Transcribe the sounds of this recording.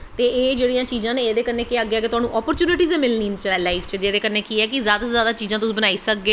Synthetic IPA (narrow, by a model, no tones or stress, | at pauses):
t̪eːeːd͡ʒeːɽijãːt͡ʃiːzãːneːeːd̪eːkəɾneːkeaɡːeaːk̬ɪt̪ʊɦaːnũːʔɔːpəɾt͡ʃuːnɪʈiːzẽmɪlniːnt͡ʃəɛːlaifʰt͡ʃəd͡ʒeːd̪eːkəɾneːkiɛːkɪzjaːd̪aːzjaːd̪aːt͡ʃiːzãːt̪̬ʊsĩːbənaːiːsək̚ɡeː